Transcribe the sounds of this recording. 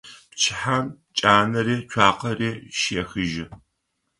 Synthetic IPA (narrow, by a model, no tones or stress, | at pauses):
pt͡ʃʰɪħam | t͡ʃʼaːnɐɾeːt͡ʃʷʰaːqɐreːʃeːxɨʒɪ